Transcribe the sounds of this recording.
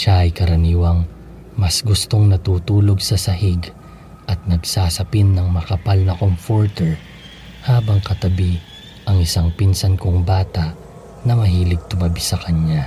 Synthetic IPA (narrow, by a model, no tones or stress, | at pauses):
ʃaʔɐjkɐɾɐniːwɐŋ | mɐsɡʊst̪o̞ŋnɐt̪uːt̪uːlo̞ɡsɐsɐhɪɡ | ʔɐt̪̚nɐɡsaːsɐpɪnːɐŋmɐkɐpalnɐkomfoɹt̪ɛɹ | haːbɐŋkɐt̪ɐbi | ʔɐŋɪsaŋpinsɐnkoŋbaːt̪aʔ | nɐmɐɦiːlɪɡ̚t̪ʊmɐbisɐkɐɲa